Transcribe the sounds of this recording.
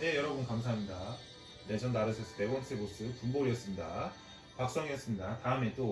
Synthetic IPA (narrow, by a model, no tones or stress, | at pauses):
ne̞jʌɾʌbunkamsʰaɦamɲida | nesʰʌndaɾɯsʰʌsʰʌpe̞ɡwʌnt͡ɕʰɯebos͈ɯpumboɾiʌs͈ɯmɲida | pak̚s͈ʌŋiʌs͈ɯmɲidataɯme̞t͈o